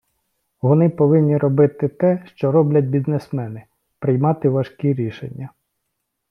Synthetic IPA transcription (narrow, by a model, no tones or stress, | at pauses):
ʋɔnɪpɔʋɪnʲːiɾɔbɪt̪ɪt̪ɛʃt͡ʃɔɾɔblʲɐt̪̚ʲbʲiznesmɛnɪ | pɾɪjmɑt̪ɪʋɐʃkʲiɾʲiʃḛnʲːɐ